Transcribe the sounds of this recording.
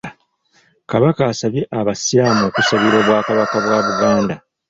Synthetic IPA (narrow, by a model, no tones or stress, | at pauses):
kaβakaːsaβjeʔaβasamo̞ːkusaβiɾoβwaːkaβakaβwaːβuɡaːnda